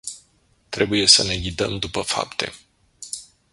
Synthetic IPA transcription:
t̪ɾe̞buje̞səne̞ɡʲid̪əmd̪upəfa̰pt̪e̞̰

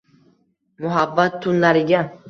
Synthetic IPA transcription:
mʊɦabːat̪ʰːʊnlaɾɪɡʲa

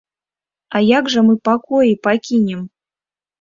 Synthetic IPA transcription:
ajaɡʐɐmɨpakɔjipakʲinʲɛm

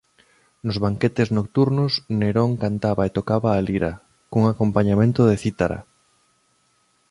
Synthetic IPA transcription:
nʊzβaŋket̪eznok̚t̪uɾnʊsneɾoŋkant̪aβaet̪okaβaːliɾa | koŋakompaɲamẽnt̪ʊðeθit̪aɾa̰

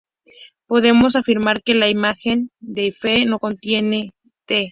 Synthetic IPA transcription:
po̞ðe̞mo̞s̬afiɾmaɾke̞laimaxe̞nd̪e̞feno̞ko̞nt̪je̞ne̞ | t̪e

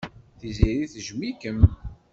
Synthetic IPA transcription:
θiziɾiθʒmikəm

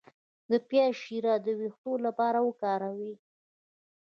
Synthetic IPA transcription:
d̪əpjɑʃiɾɑd̪əwixt̪olapɑɾawəkɑɾawi

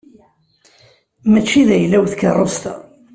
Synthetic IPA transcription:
mæt͡ʃːiðæjlːæwθkərˤːost̪æ̰

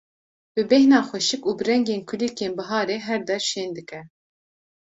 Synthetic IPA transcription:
b̥ɨbɛhnɑːxʷɛʃɨkuːbɨɾɛŋɡeːnkʰulikeːnbɨɦɑːɾeːɦɛɾd̪ɛɾʃeːnd̪ɨkɛ

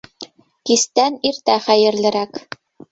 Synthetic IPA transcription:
kist̪æniɾt̪æχæjɘ̆ɾlɘ̆ɾæk

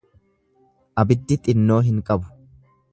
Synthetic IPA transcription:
ʔɐbɪd̪ːɪt̪ʼɪnːo̞ːɦɪŋkʼɐbʊ̥

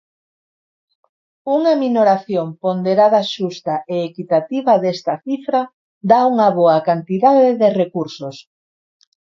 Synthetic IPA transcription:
uŋaminoɾaθjompond̪eɾaðɐʃust̪aʔeːkit̪at̪iβɐðest̪ɐθifɾa | d̪auŋɐβoɐkant̪iðaðeðerekuɾsos

